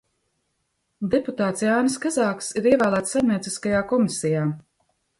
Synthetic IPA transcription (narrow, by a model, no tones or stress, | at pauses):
d̪eput̪aːt̪sjaːnskazaːksiɾiɛvæːlˠæːt̪sːaɾniɛt̪siskajaːkɔmisɛjaː